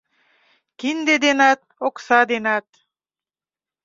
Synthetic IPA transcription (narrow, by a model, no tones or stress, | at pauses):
kind̪ed̪enɑt̪̚oksɑd̪enɑt̪̚